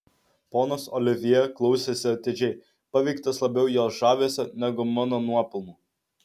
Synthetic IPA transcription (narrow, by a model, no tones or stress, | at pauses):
poːnosɔlʲɪʋʲɪjɛklˠɒʊsʲesʲɪɐt̪ʲed͡ʒʲɛɪ | pɐʋʲɛɪkt̪ɐslˠɐbʲɛʊjoːʒɑːʋʲeɛsʲɛnʲɛɡʊmɑːnoːnuɔpʲɪlˠmuː